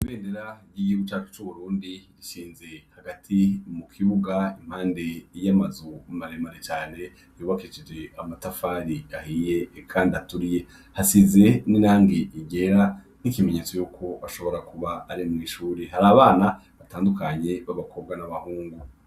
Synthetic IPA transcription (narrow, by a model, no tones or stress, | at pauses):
iβe̞ːndeɾaɾɟiiβut͡ʃat͡ʃo̥t͡ʃuβuɾuːndiɾiʃiːnze̞haɡatʰimukʰiβuɡaim̥haːnde̞jamazumaɾemaɾet͡ʃaːne̞ | juːβakit͡ʃed͡ʒeamatafaːɾiahiːje̞kʰaːndiatuɾije̞ | hasize̞ninaːŋɡiʔiɡe̞ɾa | nikime̞ɲe̞t͡so̞jukʰo̞aʃo̞βo̞ɾakuβaːɾimŋiːʃuːɾiɦaɾaːβaːnaβataːndukaɲe̞βaβakʰo̞b̚ɡanaβahuːŋɡu